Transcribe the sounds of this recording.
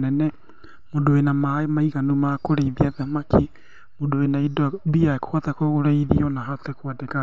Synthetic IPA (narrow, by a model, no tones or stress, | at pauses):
nɛnɛ | modoenamaemaiɣanumakoɾeiðiaðamakʰi | modoenaidoabiaekʰoat̪akoɣoɾaiðḭɔnaɦat̪ɛkoadeka